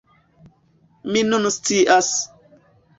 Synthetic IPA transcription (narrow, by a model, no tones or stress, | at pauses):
minunstiʔas